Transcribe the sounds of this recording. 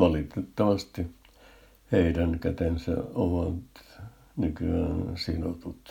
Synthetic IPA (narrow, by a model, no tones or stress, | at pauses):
ʋɑlit̪et̪ːɑʋɑst̪i | heirænkæt̪ensæ̰oʋɑt̪ | nykyæːnsinot̪ut̪